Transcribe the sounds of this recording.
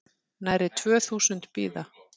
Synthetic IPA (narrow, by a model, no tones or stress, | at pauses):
najɾɪt̪ʰvœːθuːsʏnt̪pḭːða